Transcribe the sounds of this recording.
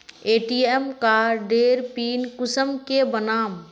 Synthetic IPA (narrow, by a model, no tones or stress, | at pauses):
eːʈiːemkaːɾɖeːɾpiːnkʊsəmkebənaːm